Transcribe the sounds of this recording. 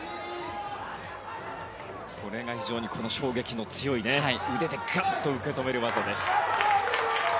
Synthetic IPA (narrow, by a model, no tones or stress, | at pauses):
kʰo̞ɾe̞ŋaçiʑo̞ːɲ̟ikʰo̞no̞ɕo̞ːɡe̞kʲino̞t͡sɨjo̞ineaɯ̟d̪e̞t̪eɡat̪o̞ɯ̟ke̞t̪o̞me̞ɾɯ̟βazod̪e̞sɨ̥